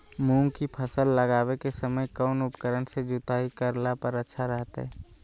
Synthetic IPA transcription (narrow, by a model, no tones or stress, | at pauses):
mũːŋkipʰəsəlːəɡaːwekesəməjkɔːnʊpkəɾənsed͡ʒʊt̪aːɦikəɾlapəɾətːʃʰaɾəɦt̪ɦɛː